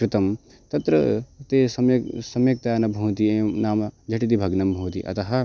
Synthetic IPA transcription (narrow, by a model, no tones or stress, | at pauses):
kɾɪt̪ɐm | t̪ɐt̪ɾɐt̪esɐmjsɐmjɐk̚t̪aɐnɐbʱɐwt̪̬ienaːmɐd͡ʒʱɐʈit̪ibʱɐɡnɐmbʱɐwt̪ḭʔɐ̰t̪ɐɦɐ